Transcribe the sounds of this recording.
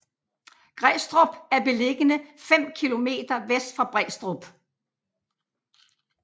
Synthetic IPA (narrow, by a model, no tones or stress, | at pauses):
ɡ̥ʁɛːsd̥ʁɔb̥æɐb̥e̝le̝ɡ̥ənəfem̰kʰilo̝me̝̰ːd̥ɐʋesd̥fɑb̥ʁɛsd̥ʁɔb̥